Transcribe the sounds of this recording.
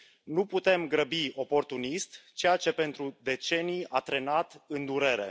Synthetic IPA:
nuput̪e̞mɡɾəbio̞po̞rt̪unist̪t͡ʃe̞jat͡ʃe̞pe̞nt̪ɾud̪e̞t͡ʃe̞nijat̪ɾe̞nat̪ɨnd̪uɾe̞ɾe̞̰

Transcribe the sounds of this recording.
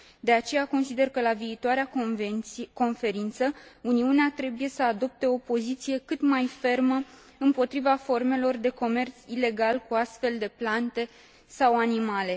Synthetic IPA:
d̪e̞at͡ʃe̞jako̞nsid̪e̞rkəlaviːt̪oaɾea | ko̞nfe̞ɾint̪səuniuneat̪ɾe̞buje̞səad̪o̞p̚t̪e̞o̞po̞zit̪sije̞kɨt̪majfe̞rmə | ɨmpo̞t̪ɾivafo̞rme̞lo̞rd̪e̞ko̞me̞rt̪sile̞ɡalkuast̪fe̞ld̪e̞plant̪e̞ | sawanimale̞

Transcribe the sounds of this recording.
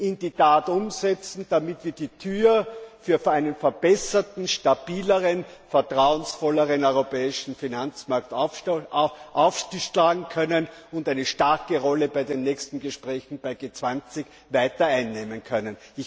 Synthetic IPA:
ʔɪnditaːtʊmzɛt͡sn̩d̥amɪtv̥iːɐdiːtʰyːɐfyːɐæɪnənfɛɐb̥ɛsɐtn̩ʃtab̥iːləʁənfɐtʁ̥aʊənsfɔləʁənœʏʁopɛːɪʃn̩finant͡smaɐkt | ʔaʊfʃtiʃlaːɡŋ̩kʰœnənʊndæɪnəʃtaɐkəʁɔləbaɪdeːnːɛːçstn̩ɡəʃpʁɛːçn̩b̥aɪɡeːt͡sv̥ant͡sɪç | vaɪtɐaɪnːeːmənkʰœnənɪç

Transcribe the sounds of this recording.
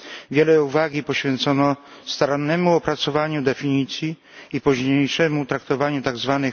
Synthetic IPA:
vʲjɛlɛuvaɡʲipɔɕfʲjɛnt̪sɔnɔ | st̪aɾanːɛmuɔpɾat̪sɔvaɲud̪ɛfʲiɲit̪sʲji | ipuʑɲejʂɛmut̪ɾak̚t̪ɔvaɲut̪aɡzvanɘ

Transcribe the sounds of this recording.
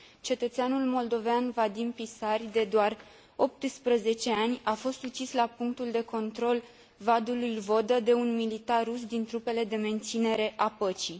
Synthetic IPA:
t͡ʃe̞t̪ət̪seanulmo̞ld̪o̞veanvad̪impisarʲd̪e̞d̪oar | o̞p̚t̪ɨspɾəze̞t͡ʃe̞anʲafo̞st̪ut͡ʃislapuŋk̚t̪uld̪e̞ko̞nt̪ɾo̞l | vad̪ulujvo̞d̪əd̪e̞unmilit̪arusd̪int̪ɾupe̞le̞d̪e̞me̞nt̪sine̞ɾe̞ʔapət͡ʃi

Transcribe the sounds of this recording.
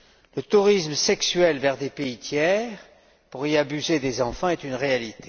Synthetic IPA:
lət̪uʁisməsɛksɥɛlvɛʁd̪epeit̪ʰjɛʁ | puʁiabyzed̪ezɑ̃fɑ̃ɛt̪ynʁealit̪e̥

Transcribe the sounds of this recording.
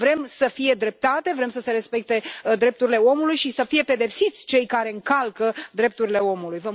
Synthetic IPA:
vɾe̞msəfije̞d̪ɾe̞p̚t̪at̪e̞vɾe̞msəse̞ɾe̞spe̞k̚t̪e̞d̪ɾe̞p̚t̪uɾile̞o̞mulujʃisəfije̞pe̞d̪e̞psit̪sʲt͡ʃe̞jkaɾe̞ɨŋkalkəd̪ɾe̞p̚t̪uɾile̞o̞mulujvə

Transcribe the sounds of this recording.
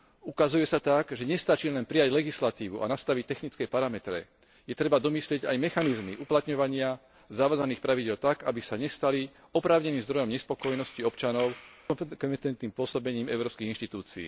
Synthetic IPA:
ukazujɛsat̪aɡʒɛɲɛst̪at͡ʃilɛnpɾijaɟlɛɡislat̪iːʋuʔa̰nast̪aʋic̚t̪ɛxnit͡skɛpaɾamɛt̪ɾɛ̰ | jɛt̪ɾɛbad̪ɔmislɪɛɟajmɛxanizmiʔuplat̪ɲɔʋaɲɪa | zaʋaːd͡zaniːxpɾaʋiɟɪɛlt̪aɡabisaɲɛst̪ali | ɔpɾaːʊɲɛniːmzd̪ɾɔjɔmɲɛspɔkɔjɛnɔsciɔpt͡ʃanɔʊkɔmɛt̪ɛnt̪niːmpʊɔsɔbɛɲiːmɛ̰ʊɾɔːpskiɣinʃt̪it̪uːt͡siḭː

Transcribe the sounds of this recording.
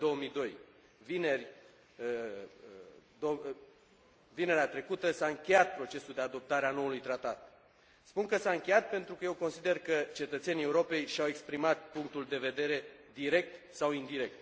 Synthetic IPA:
d̪o̞wəmid̪o̞j | vinerʲ | d̪o | vine̞ɾeat̪ɾe̞kut̪əsaɨŋkʲe̞jat̪̚pɾo̞t͡ʃe̞suld̪e̞ad̪o̞p̚t̪aɾeano̞ulujt̪ɾat̪at̪̚ | spunkəsaɨŋkʲe̞jat̪̚pe̞nt̪ɾukəjewko̞nsid̪e̞rkət͡ʃe̞t̪ət̪se̞nʲie̞uɾo̞pe̞jʃawe̞kspɾimat̪̚puŋk̚t̪uld̪e̞ve̞d̪e̞ɾe̞d̪iɾe̞k̚t̪ | sawind̪iɾe̞k̚t̪

